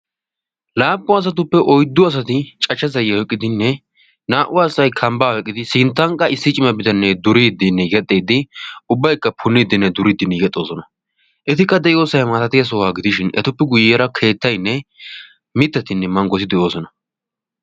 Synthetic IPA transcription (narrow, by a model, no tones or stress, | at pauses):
laːpʼːʊɐs̬ɐt̪̬ʊpːɛʔɔjd̪ːʊɐs̬ɐt̪ɪt͡ʃʼɐt͡ʃːɐzɐjɐɔkʼːɪd̪ɪnːɛ | naːʔʊwaːsɐjkʰɐmbaːhɔkʼːɪd̪ɪsɪnt̪ːɐŋkʼːɐɪsːɪt͡ʃʼɪmɐbɪd̪ɐnːɛd̪ʊɾid̪ːɪnːɛɡɛt̪ʼːeːd̪ɪʊbːɐjkːɐpʰʊnːid̪ɪnːɛd̪ʊɾid̪ːɪnːɛjɛt̪ʼːo̞ːsɔnɐ | ʔɛt̪ɪkːɐd̪ɛʔɪo̞ːsɐɛmaːt̪ɐt̪ɪjɐs̬ɔwaːɡɪd̪ɪʃɪnɛ̰t̪ʊpːɛɡʊjɛɾɐkʰe̞ːt̪ːɐjnːɛ | mɪt̪ːɐt̪ɪnːɛmɐŋɡɔs̬ɪd̪ɛʔo̞ːsɔnɐ